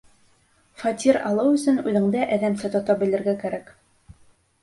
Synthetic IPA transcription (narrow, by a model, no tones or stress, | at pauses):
fɑt̪ʲiɾɑ̰lˠɤwɵ̆sɘnʉðɘ̆ŋd̪æʔæðæmsɘt̪ŏt̪ɑbɘ̆lɘ̆ɾɡækæɾæk